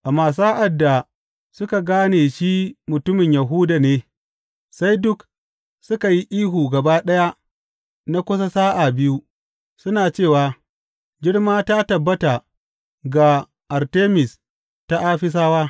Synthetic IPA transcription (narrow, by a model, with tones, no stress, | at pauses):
ʔa˨maː˨s̬a˦ʔa˨dːa˨ | sʊ˦ka˨ɡaː˦neː˨ʃiː˦mʊ˨tʊ˦mɪ˨ɲjɐ˨ɦuː˦da˨neː˦ | sa˦jdʊ˦k | sʊ˦ka˨ji˦ʔiː˦ɦuː˨ɡɐ˨baː˦ɗɐ˦ja˦ | na˦kʷʊ˦s̬a˦saː˦ʔa˨bɪ˦ju˦ | sʊ˦naː˨t͡ʃeː˦˨waː˨ | ɡɪ˦ɽmaː˦ta˦tɐ˨bːɐ˦ta˨ | ɡa˨ | ʔa˨rteː˦mɪ˨s | ta˦ʔa˦ɸɪ˦s̬aː˦waː˦